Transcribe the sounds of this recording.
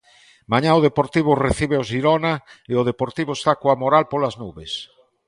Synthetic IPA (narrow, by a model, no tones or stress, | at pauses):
maɲãoðepoɾt̪iβ̞oreθiβ̞eozʒiɾonaeoð̞epoɾt̪iβoest̪akoamoɾalpolaznuβes